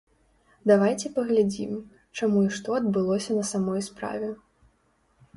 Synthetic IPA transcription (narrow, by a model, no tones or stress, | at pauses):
d̪avajt͡sʲɛpɐɣlʲad͡zʲḭm | t͡ʂamuiʂt̪ɔɐd̪bɨlˠɔsʲɐnɐsamɔjspɾa̰vʲɛ